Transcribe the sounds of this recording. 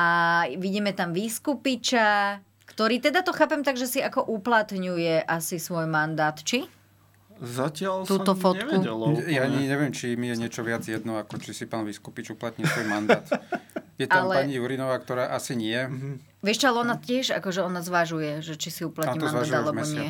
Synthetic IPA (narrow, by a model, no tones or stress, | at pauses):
aʋiɟiːmɛt̪amʋiːskupit͡ʃa | kt̪ɔɾiːt̪ɛd̪at̪ɔxaːpɛmt̪aɡʒɛsiakɔʔuplat̪ɲujɛʔasisʋɔjmand̪aːt̪t͡ʃi | zacɪalt̪ːt̪ɔfɔtɛkuɛljaɲiɲɛʋɪjɛmt͡ʃimijɛɲɪɛt͡ʃɔʋɪad͡zjɛd̪nɔakɔt͡ʃisipaːnʋiskupit͡ʃuplat̪ɲisʋɔjmand̪aːt̪jɛt̪amlɛpaɲijuɾinɔʋaːkt̪ɔɾaːʔasiɲɪɛ | ʋɪɛʃt͡ʃɔalɛɔnat̪ɪɛʒa̰kɔʒɛɔnazʋaʒujɛʒɛt͡ʃisiuplat̪ɲːimanaadʒd̪ɛalɛmbɔɲɪɛ